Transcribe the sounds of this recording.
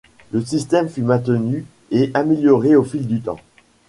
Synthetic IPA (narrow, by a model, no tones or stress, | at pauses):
ləsist̪ɛmfymɛ̃t̪əny | eʔameljɔʁeofild̪yt̪ɑ̰̃